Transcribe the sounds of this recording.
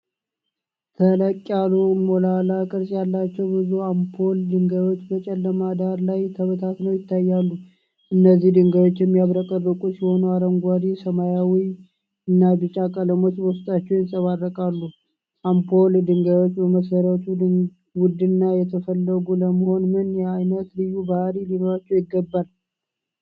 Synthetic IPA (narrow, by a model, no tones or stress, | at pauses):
t̪ʰələkʼːalumolalakʼɨɾsʼjalːat͡ʃːɛwbɨzuampʰo̞ld̪ɨŋɡao̞t͡ʃːbət͡ʃʼɛlːəmad̪aɾlajt̪ʰəβət̪ʰat̪nəwjɪt̪ʰːajːalːu | ʔɨnːəzːihd̪ɨŋɡajwo̞t͡ʃːjɛmːijaβɾəkʼərːɨkʼusɪho̞nuaɾəŋɡʷad̪isəmajawi | ɨnːabɨt͡ʃʼakʼələmo̞t͡ʃbəwst̪ʼat͡ʃːɛwjɪnsʼəβarːəkʼalːu | ʔampʰo̞ld̪ɨŋɡajwo̞t͡ʃːbəməsəɾət̪ʰu | wʊd̪ɨnːajɛt̪ʰəfəlːəɡuləməho̞nmɨnjɛajnət̪lɨjːubahɾilinoɾat͡ʃːɛwjɪɡːəbːal